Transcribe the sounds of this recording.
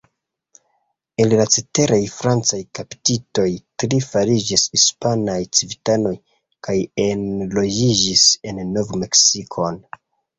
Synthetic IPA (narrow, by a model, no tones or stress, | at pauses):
e̞llat͡sete̞ɾʔajfɾant͡sajkapi̥tito̞jtɾifaɾid͡ʒishispanajt͡sivitano̞j | kajenlo̞d͡ʒid͡ʒise̞nːo̞vme̞ksikʰo̞n